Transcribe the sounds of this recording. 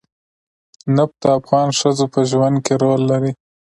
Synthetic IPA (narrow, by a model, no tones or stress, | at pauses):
nap̚t̪aːfɣɑnʂəzopəʒwand̪̚keɾolːaɾi